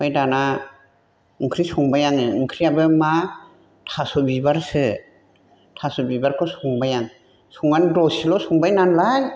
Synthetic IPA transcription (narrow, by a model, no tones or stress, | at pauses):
pajdana | ɯŋkʰɾisuŋbajaŋɯɯŋkʰɾiabɯma | tʰasɔbibaɾsɯ | tʰasɔbibaɾkʰɔsuŋbajaŋ | suŋandɔsilɔsuŋbajnanlaj